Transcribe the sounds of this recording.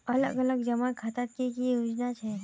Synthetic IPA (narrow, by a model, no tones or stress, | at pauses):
ələ̰ɡələɡd͡ʒəmankʰat̪at̪̚kikijud͡ʒnat͡ʃʰe